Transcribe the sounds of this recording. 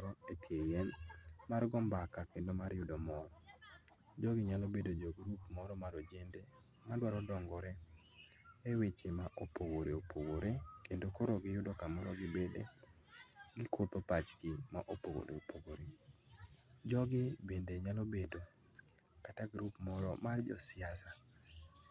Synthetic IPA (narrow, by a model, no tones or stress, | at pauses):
ɾɔetʰejɛnmarɡɔmbakakendomarjʊdɔmɔɾɔ | d͡ʒɔɡɪɲalobedod͡ʒɔɡɾupmɔɾɔmaɾod͡ʒende | madwaɾɔdɔŋɡɔɾɛ | ewet͡ʃemaʔopoɡoɾeopʰoɡoɾekendokoɾoɡɪjʊdɔkamɔɾɔɡɪbedḛ | ɡɪkʰot̪opat͡ʃkɪmaʔopoɡo̰ɾḛopʰoɡoɾe | d͡ʒɔɡɪbendeɲalobedo | kataɡɾupmɔɾɔmard͡ʒɔ̰sɪasa